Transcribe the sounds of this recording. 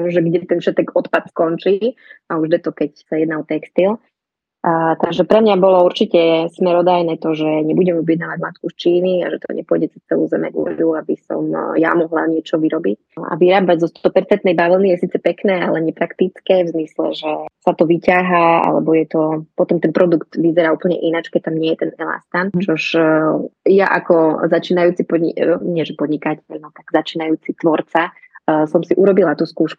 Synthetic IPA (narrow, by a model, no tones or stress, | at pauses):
ʒɛɡɟɛt̪ɛnfʃɛt̪ɛkɔt̪pat̪skɔnt͡ʃiauʒd̪ɛt̪ɔkɛcsajɛd̪naɔt̪ɛkst̪il | t̪aɡʒɛpɾɛmɲabɔlɔuɾt͡ʃicɛsmɛɾɔd̪ajnɛːt̪ɔʒɛɲɛbuɟɛmɔbjɛd̪naːʋaɟmat̪̚kust͡ʃiːnia̰ʒɛt̪ɔ̰ɲɛ̰pʊɔjɟɛt͡sɛst͡sɛlṵzɛmɛ̰ɡṵjuabisɔ̰mja̰mɔɦla̰ɲɪɛt͡ʃɔʋiɾɔbic | a̰ʋiɾaːbaɟzɔst̪ɔpɛɾt͡sɛnt̪nɛjbaʋlˠnijɛsiːt͡sɛpɛknɛːalɛɲɛpɾakt̪it͡skɛvzmislɛ̰ʒɛsat̪ɔʋicaɦaa̰lɛ̰bɔjɛt̪ɔpɔt̪ɔmt̪ɛnpɾɔd̪ukt̪ʋizɛɾaːuːpl̩ɲɛ̰ʔinat͡ʃkɛc̚t̪amɲɪɛjɛt̪ɛnɛla̰st̪ant͡ʃɔʒ | jaʔa̰kɔzat͡ʃiːnajuːt͡sipɔd̪ɲḭɲɪɛʒɛpɔd̪ɲikacɛlmat̪aɡ̥zat͡ʃiːnajuːt͡sit̪ʋɔɾt͡sa | sɔmsiʔuɾɔbilat̪uːskuːʃku̥